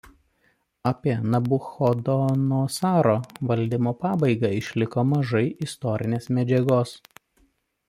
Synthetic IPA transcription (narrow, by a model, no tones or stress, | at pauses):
ɐpʲiɛnɐbʊxɔd̪ɔnoːsɑːɾoːʋɐlʲˑd̪ʲɪmoːpɑːbɐɪɡɑˑɪʃʲlʲɪkoːmɐʒɐɪʔɪst̪ɔɾʲɪnʲeːsmʲɛd͡ʒʲɛɡoːs